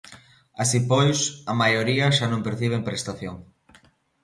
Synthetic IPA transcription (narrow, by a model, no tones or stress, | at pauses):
asipojsɐmajoɾiɐʃanõŋpeɾθiβ̞eŋpɾest̪aθjoŋ